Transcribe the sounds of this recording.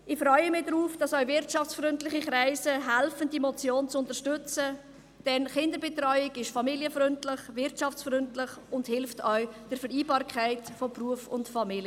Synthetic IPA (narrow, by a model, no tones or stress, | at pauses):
ɪχfɾœʏəmɪdɾuːfd̥ɑsœɥvɪɾtʃɑft͡sfɾʏntlɪχikɾaɪsəɦælfəndimɔt͡sjoːnt͡sʊntəɾʃtʏt͡sə | d̥ɛnχɪndəɾbɛtrœʏɪɡɪʃfɑmiliəfɾʏntlɪχvɪɾtt͡ʃɑft͡sfɾʏntlɪχʊndhɪlftœɥd̥ɛɾfəɾiːbɑːɾkʰaɪtfopruəfʊntfɑmiljə